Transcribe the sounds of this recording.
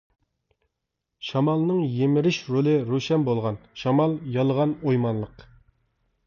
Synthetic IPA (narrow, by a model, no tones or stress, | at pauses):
ʃɑmɑlˠnɨŋjemɪɾɪʃɾolˠɨɾuʃɛnbolˠʁɑnʃɑmɑlˠjɑlˠəʁɑnojmɑnlˠəq